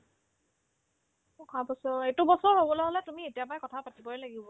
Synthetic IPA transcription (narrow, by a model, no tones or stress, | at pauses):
kʰabɔsɔetubɔsɔɹɦobɔlɔɦɔlɛtumietijapajkɔtʰapatibɔjlaɡibɔ